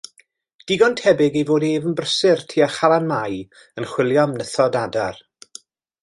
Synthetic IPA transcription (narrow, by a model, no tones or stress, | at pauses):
d̥ɪɡɔntʰɛbɪɡejvoːdeːvənbrəsɪrtʰiːaχalˠanmaj | ənχwɪlˠjɔmnəθɔdadar